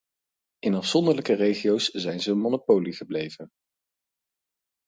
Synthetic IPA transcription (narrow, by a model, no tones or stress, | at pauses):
ɪnɑfsɔndəɹləkərejχijowszɛjnzəːnmonopowliχəblejv̥ən